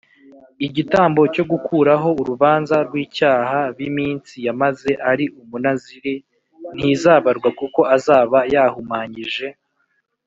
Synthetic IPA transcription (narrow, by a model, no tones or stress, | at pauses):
iɟitaːmbo̞co̞ɡukʰuːɾaɦo̞uɾuβaːnzaɾɡwiːcaːhaɾwimiːnsijamaze̞ʔaɾiʔumunaziɾe | n̥izaːβaɾɡwakuko̞ʔazaːβajaːhumaːɲiʒe̞